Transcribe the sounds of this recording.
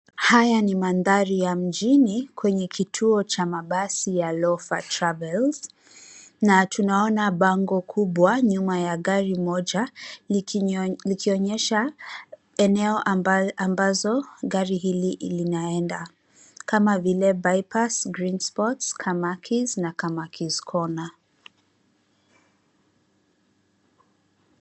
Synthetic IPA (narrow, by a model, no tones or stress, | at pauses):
hajanimanðaɾijam̩ʄinikʰwɛɲɛkʰitʰuɔt͡ʃamaɓasijalɔfatɾavɛlz̥ | natʰunaɔnaɓaŋɡɔkʰuɓwaɲumajaɠaɾimɔʄa | likiɔɲɛʃa | ɛnɛɔʔambazɔɡaɾiɦiliʔlinaɛnda | kamavilɛbajpasɡɾinspɔtskʰamakʰiznakamakʰiz̥kʰɔna